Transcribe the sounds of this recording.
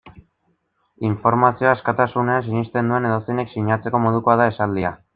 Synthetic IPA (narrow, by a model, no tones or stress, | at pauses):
iɱfo̞ɾmasio̞askat̪asune̞ansiɲist̪e̞nd̪ue̞ne̞ðo̞sine̞ksiɲat͡se̞ko̞mo̞ð̞uko̞aðae̞sald̪ia